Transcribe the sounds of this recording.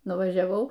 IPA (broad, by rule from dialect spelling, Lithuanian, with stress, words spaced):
nʊʋɐʒʲɛˈʋɐʊ